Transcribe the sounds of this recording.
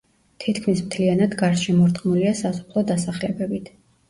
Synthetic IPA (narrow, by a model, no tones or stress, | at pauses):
t̪ʰit̪ʰkʰmismt̪ʰlianad̪ɡaɾʃɛmɔɾt̪ʼqʼmuliasasɔ̥pʰlˠɔd̪asaχlɛbɛbit̪ʰ